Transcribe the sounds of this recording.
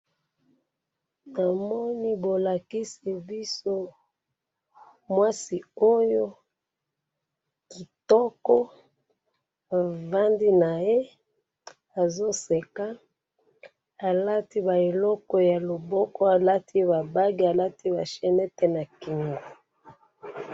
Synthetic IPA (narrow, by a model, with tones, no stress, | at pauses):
na˨mɔ˦ni˦bo˨la˨ki˦si˨bi˦so˦ | mwa˦si˨o˦jo˦ | ki˨tɔ˦kɔ˦ | a˨va˦ndi˦na˨je˦ | a˨zo˦se˨ka˦ | a˨la˦ti˦ba˨e˨lɔ˦kɔ˦ja˨lo˨bɔ˦kɔ˦a˨la˦tʰi˦βa˨ba˦ɡi˦a˨la˦ti˦ba̰˨ʃɛ˨nɛ˦tɛ˦na˨ki˨ŋɡo˨